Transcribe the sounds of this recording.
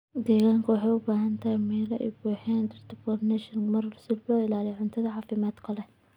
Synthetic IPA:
d̪ɛːɣaːŋkʰɐwɑħɑjʊbaːɦɐnt̪ʰɐhɛjmɛːlɐʔɛjbuːħɛːnd̪ɪrt̪ʰɪpɔrnɛʃɐnmɐrlsɪlbɔːɪlaːlɪjʕʊnt̪ʰɐðɐʕɑːfɪmaːd̪kʰɐlɛ

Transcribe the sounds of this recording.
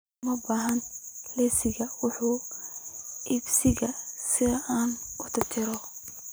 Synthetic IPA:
mɐbaːɦɐnlɛsɪɣɐwʊħuː | ʔɪbsɪɣɐsɪðɐʔaːnʊt̪ʰɪt͡ʃʰɪɾɔ

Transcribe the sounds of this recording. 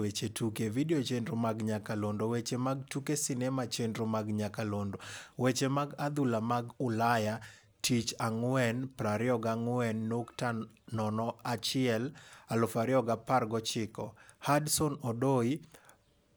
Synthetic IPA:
wet͡ʃetʰukevideot͡ʃendɾomaɡɲakalondowet͡ʃemaɡ̚tukesɪnɛmat͡ʃendɾomaɡɲakalondowet͡ʃemaɡad̪ulamaɡʊlaja | tʰit͡ʃaŋwɛnpɾaɾɪɔɡaŋwɛnːoktanɔnɔat͡ʃɪɛlalʊfaɾɪɔɡaparɡɔt͡ʃɪkɔhadsɔnɔdoi

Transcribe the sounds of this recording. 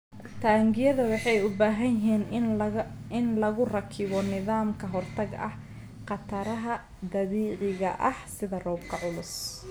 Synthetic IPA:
t̪ʰaːŋɡɪjɐðɐwɑħɑjʊbaːɦɐjɪɦiːn | ɪnlɐɣʊrɐkʰɪβɔnɪðaːmkʰɐɦɔrt̪ʰɐɡɐ̰h | qɑt̪ʰɐɾɐɦɐ | d̪ɐβiːqɪɣɐ̰ʔɐhsɪðɐrɔːbkʰɐʕʊlʊs

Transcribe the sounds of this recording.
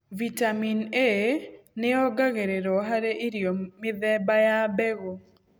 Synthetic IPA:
vitamineneɔɡaɣeɾeɾɔɦaɾeʔiɾjomɪðɛbajabɛɣo

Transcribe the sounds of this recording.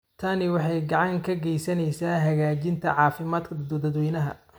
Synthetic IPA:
t̪ʰɐnɪwɑħɑjɡɑʕɑŋkʰɐɡɛjsɐnɛjsaːɦɐɣaːt͡ʃɪnt̪ʰɐ̰ʕɑːfɪmaːd̪kʰɐd̪ɐd̪wɛjnɐɦɐ̰

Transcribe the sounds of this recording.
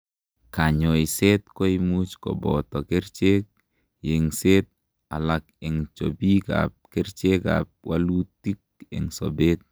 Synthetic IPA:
kaɲoiset̪koimut͡ʃkɔ̰bɔ̰tɔkeɾt͡ʃek̚ | jeŋset̪̚ | alakeŋt͡ʃo̰bika̰p̚kɛɾt͡ʃeka̰p̚walutːik̚ɛ̰ŋso̰bet̪̚

